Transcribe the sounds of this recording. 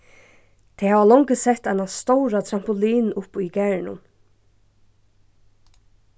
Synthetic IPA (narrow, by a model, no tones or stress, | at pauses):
t̪ʰɛhaːʋalɔŋkəsɛt̪ːaɪnast̪owɾat̪ʰɾam̥pʊliːnʊpikɛɹnʊ̰m